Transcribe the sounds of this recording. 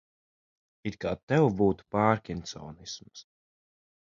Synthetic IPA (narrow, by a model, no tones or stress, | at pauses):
it̪kaːt̪ɛwbuːt̪u̥paːɾkʲint̪sɔ̰ːnisms